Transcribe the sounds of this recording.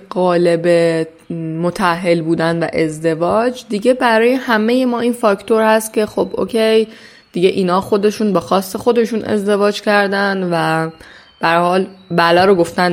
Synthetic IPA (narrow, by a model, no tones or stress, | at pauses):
ɢɒːlebe | mot̪ʰæɦːe̞lbuːd̪ænvæ̰ʔe̞zd̪e̞vɒːd͡ʒd̪iɟe̞bæɾɒːjehæme̞je̞mɒːinfɒːct̪ʰo̞ɾhæst̪̚cʲʰe̞xobʔo̰cʰej | d̪̥iɟeʔiːnhɒːxo̞d̪e̞ʃuːnbexɒːsːexo̞d̪e̞ʃuːnʔe̞̰zd̪e̞vɒːd͡ʒcʰæɾd̪ænd̪væ | b̥æɾhɒːlbælɒːɾoɡo̞ft̪æn